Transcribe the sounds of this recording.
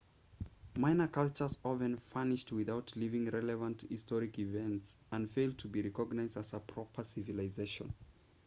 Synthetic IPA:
mãɪ̃nəkʌlˠt͡ʃə˞zɔvɨ̃nfanɪʃtwɪðaʊtʰlivɪ̃ŋɹɛlɨvə̃nthɪstɔɹɪkivɛ̃ntsə̃nfeɪlˠd̚tʰɨbiɹɛkɔɡnaɪzdæzəpʰɹ̥ɔpʰə˞sɪvɨlazeɪʃə̰̃n

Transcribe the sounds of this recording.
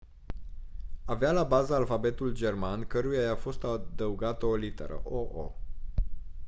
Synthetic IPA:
avealabazəːlfabe̞t̪uld͡ʒe̞rmankəɾujajafo̞st̪ad̪əuɡat̪əolit̪e̞̰ɾə̰ʔoʔo̰

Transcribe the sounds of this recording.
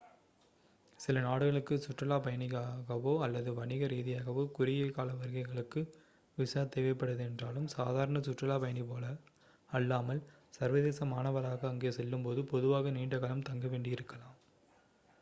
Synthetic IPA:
sɪlɐnaːɽɯɣɐɭɯkːɯsʊʈrɐlaːpɐjɐnɪɣaːɣɐʋoːɐlːɐðɯʋɐɳɪɣɐɾiːðɪjaːɣɐʋoːkʊɾɪjɐkaːlɐʋɐɾɣɐɪɣɐɭɯkːɯ | ʋɪʂaːt̪eːʋɐɪpːɐɽɐðɯɛndraːlɯmsaːðaːɾɐɳɐsʊʈrɐlaːpɐjɐnipoːlɐː | lːaːmɐl | sɐɾʋɐðeːsɐmaːnɐʋɐlaːɣɐːŋɡeːsɛlːɯmpoːðɯpɔðɯʋaːɣɐniːɳɖɐɣɐlɐmt̪ɐŋɡɐʋeːɳɖɪjɪɾɯkːɐlaːm

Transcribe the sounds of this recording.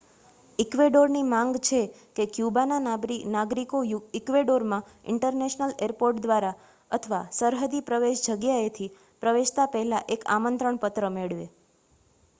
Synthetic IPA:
ikʋeɖoɾnimãŋɡt͡ʃʰe | kekjubananaɡɾinaɡɾikojɪkʋeɖoɾmã | ɪ̰ɳʈəɾneʃnəleɾpoɾʈd̪ʋaɾa | ət̪ʰəʋasəɾɦəd̪ipɾəʋeʃd͡ʒəɡjaet̪ʰi | pɾəʋeʃt̪apəɦlaʔeka̰mənt̪ɾəɳpət̪ɾəmeɭʋḛ

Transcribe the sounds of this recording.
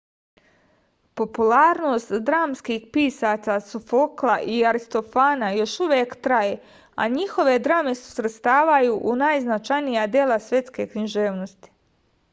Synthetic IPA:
po̞pulaːɾno̞ːst̪d̪ɾaːmskixpiːsaːt̪sasufo̞klˠaʔiaɾist̪o̞faːnajo̞ʃuʋjeːkt̪ɾaje | a̰ɲixo̞ʋe̞d̪ɾaːme̞su̥sɾet̪st̪aːʋajuʔunaːjznat͡ʃajnijad̪jelasʋje̞t̪ske̞kniʒeːʋno̞st̪i̥

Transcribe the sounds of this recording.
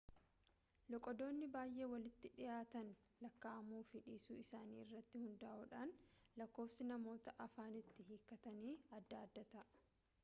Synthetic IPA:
lɔkʼɔd̪o̞ːnːɪbaːjʔeːwɐlɪt̪ːɪᶑɪjaːt̪ɐn | lɐkːaɐmuːfɪᶑiːsuːɪsaːnḭːɪrːɐt̪ːɪhʊnd̪ɐʔuːᶑaːnlɐkːo̞ːfsɪnɐmo̞ːt̪ɐʔɐfaːnɪt̪ːɪhiːkːɐt̪ɐniːɐd̪ːaːd̪ːɐt̪ɐ

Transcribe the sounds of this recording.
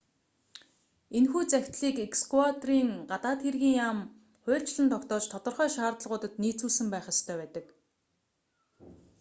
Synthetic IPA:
enxuːt͡sæxʲt̪ɮiːkekskwat̪riːŋɢat̪aːt̪xerɣiːŋjam | χʊːɬt͡ɕɮɘ̆nt̪ʰɔkt̪ɔːt͡ɕt̪ʰɔt̪ɞ̆rχœːʃaːrt̪ə̆ɮʁʊːt̪ə̆t̪niːt͡suːsɘ̆mpæːχə̆st̪ʰœːpæːt̪ə̆k

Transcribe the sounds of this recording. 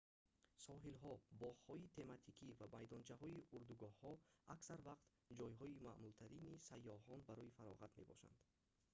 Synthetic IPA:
sɔɦilɦɔbɔʁhɔit̪ʰe̞mat̪ʰikʰivabajd̪ɔnt͡ʃʰaɦɔiuɾd̪uɡɔhːɔaksaɾvaqt̪ | d͡ʒɔjɦɔima̰mult̪ʰaɾinisajːɔɦɔnbaɾɔifaɾɔ̰ʁat̪me̞̰bɔ̰ʃa̰nd̪̥

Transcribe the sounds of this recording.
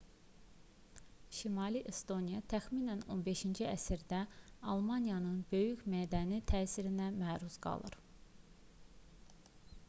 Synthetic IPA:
ʃimɑliʔest̪o̞nijɑt̪ʰæxminæno̞̰nbe̞ʃind͡ʒiæsiɾd̪æɑlˠmɑnjɑnɯnbø̞jyçmæːd̪ænit̪ʰæːsiɾinæmæːɾuzɡɑ̰lˠɯ̰ɾ

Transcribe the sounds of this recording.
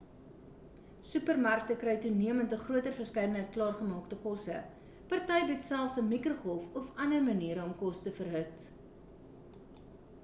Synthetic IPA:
sʉpərmɐrk̚təkrɛjtuniəməntəχruətərfərskɛjdənɦəjt̚klɑːrχəmɑːktəkɔsə̰ | pɐrtɐjbətsælˠfsəmikroχɔlˠfɔfɐnərməniəɾəɔmkɔstəfərɦət

